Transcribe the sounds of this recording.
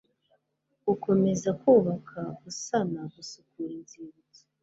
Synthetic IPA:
ɡukʰo̞me̞zakuːβakʰakusanaβusukuɾinziɾizi

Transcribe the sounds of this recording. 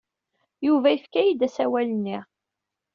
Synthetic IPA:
juvæifkæjid̪æsæwælənːiʁ

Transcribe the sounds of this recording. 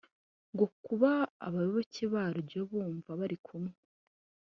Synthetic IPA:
ŋɡokuβa̰ːβajoβocʰiβaɾjoβuːɱvaβaɾikʰumŋe

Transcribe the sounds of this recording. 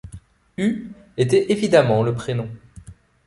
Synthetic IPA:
y | et̪ɛʔevid̪amɑ̃ləpχenɔ̃

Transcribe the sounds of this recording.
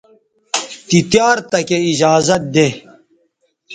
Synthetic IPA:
t̪it̪jaːɾt̪ɐkeid͡ʑaːzɐt̪̚d̪e

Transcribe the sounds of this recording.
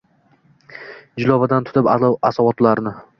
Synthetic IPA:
d͡ʒɪlˠɒbad̪ant̪ʰʊ̥t̪ʰɪpasawɒt̪laɾnɪ

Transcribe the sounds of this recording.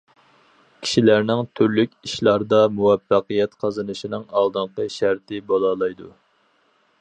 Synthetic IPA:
kʲʰi̥ʃilæɾnɪŋt̪ʰyɾlykʲiʃlˠɑɾd̪ɑmuwɛfːɑqəjɛt̪qʰɑzɨnɨʃinɨŋɑlˠd̪ɨɴqəʃæɾt̪ʰɪbolˠɑlˠɑjd̪u

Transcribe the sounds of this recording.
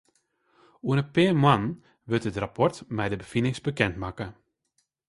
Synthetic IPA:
uənəpɪːmwan | ʋɪtətrapɔrtmɛjdəbəfinɪŋsbəkɛntmakə

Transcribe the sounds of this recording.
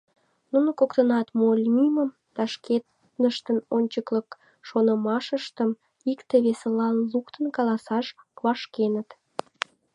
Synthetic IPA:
nunəkokt̪ənɑt̪molʲmiməm | t̪ɑʃket̪ | nəʃt̪ənonʲt͡ɕəklək | ʃonəmɑʃəʃt̪əm | ikt̪eβesəlɑnlukt̪ənkɑlɑsɑʃ | βɑʃkenət̪

